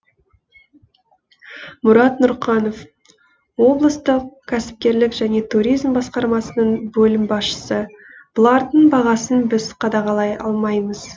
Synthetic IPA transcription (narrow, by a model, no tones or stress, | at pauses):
mʊɾɑt̪nʊɾqɑno̞f | wo̞blˠəst̪əqkʲʰæsɪ̥p̚kʲe̞ɾlɪkʒ̥æne̞t̪ʰuɾijzmbɑsqɑɾmɑsənəɴbɵlɪmbɑsʃə̥sə | b̥ʊlˠɑɾd̪əɴbɑʁɑsənbɪzqʰɑd̪ɑʁɑlˠɑjɑ̰lˠmɑjməz̥